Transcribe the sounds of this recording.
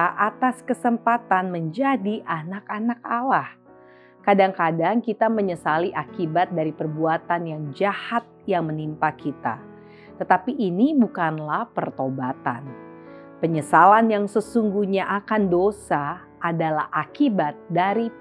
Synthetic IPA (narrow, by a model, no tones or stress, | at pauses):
ʔat̪askəsəmpat̪anməɲd͡ʒadiʔanakanak̚alah | kadaŋkadaŋkit̪aməɲəsaliʔakibat̪̚daɾipərbuat̪anjaŋd͡ʒahat̪̚jaŋmənimpakit̪a̰ | t̪ət̪apiʔːnibukanlahpərt̪obat̪a̰n | pəɲəsalanjaŋsəsuŋɡuɲaʔakandosa | ʔːdalahʔakibat̪̚daɾi